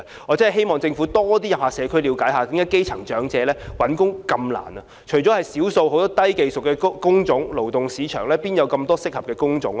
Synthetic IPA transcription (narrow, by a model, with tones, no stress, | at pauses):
ɔː˨˧t͡sɐ˥nhɦe˥jmɔː˨ŋt͡sɪ˧ŋfu˨˥t̪ɔː˥t̪iː˥jɐ˨p̚haː˨˩sɛː˨˧kʰɵ˥liː˨˧wkaː˨˥jhaː˨˧k̪ɪ˧˥ŋjɐ˥ke˥jt͡sʰɐ˨˩ŋt͡ʃœː˨˥ŋt͡sɛː˨˧lɛː˥wɐ˨˥nkʊ˥ŋkɐ˧mla̰ː˨˩nɐ˨ | t͡ʃʰɵ˨˩ɥt͡ʃɔː˨˥hɐ˨jsiː˨˥wso˧who˨˥wt̪ɔː˥t̪ɐ˥jke˨jsʊ˨˩k̚ɛː˧˥kʊ˥ŋt͡sʊ˨˥ŋlo˨˩wt̪ʊ˨ŋsiː˨˧t͡ʃʰœ̰ː˨˩ŋlɛː˥piː˥njɐ˨˧wkɐ˧mt̪ɔː˥sɪ˥k̚hɐ˨p̚kɛː˧kʊ˥ŋt͡sʊ̰˨˥ŋ